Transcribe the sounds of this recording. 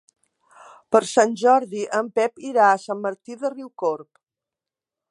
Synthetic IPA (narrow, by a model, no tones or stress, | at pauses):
pəɾsanʲʒɔɾðiʔəmpɛpiɾaəsamːəɾt̪iðəriwkoɾp